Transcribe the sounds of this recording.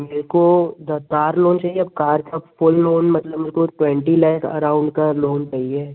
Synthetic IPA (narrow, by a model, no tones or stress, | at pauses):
meːɾkod̪ɐkaːɾloːnt͡ʃaːɦieɐb̚kaːɾkafʊlːoːnmɐt̪ləbmeːɾkoʈwɛ̃ɳʈilaɪkʰɐ̰ɾaːʊ̃ɳɖkaloːnt͡ʃaːɦieː